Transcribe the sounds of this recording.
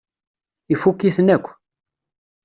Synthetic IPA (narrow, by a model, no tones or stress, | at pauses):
ifukːiθnækʷː